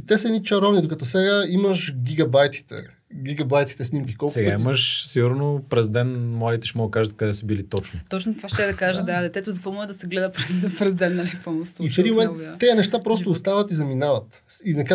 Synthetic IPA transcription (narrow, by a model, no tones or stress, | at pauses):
t̪ɛsɐɛnit͡ʃɐɾɔvnid̪okɐt̪ɔsɛɡaimɐʃɡʲiɡɐbajt̪i̥t̪ɛ̰ | ɡʲiɡɐbajt̪i̥t̪ɛsnimkʲi̥kɔlˠsɛɡaiməʃsiɡuɾnopɾɛzd̪ɛnmlˠad̪it̪ɛ̥ʃɛmɔɡəkaʒɐt̪̚kɐd̪ɛsəbilit̪ɔt͡ʃnʊt̪ɔt͡ʃnot̪kvaʃt̪ɛd̪ɐkaʒəd̪ad̪ɛt̪ɛt̪ʊzɐfɔmuɛd̪ɐsɛɡlɛd̪əpɾɛzpɾɛzd̪ɛnːapɔmosifɛd̪imomɛnt̪ːɛjɐnɛʃt̪apɾɔst̪ʊːst̪avɐt̪izɐminavɐt̪ | inɐk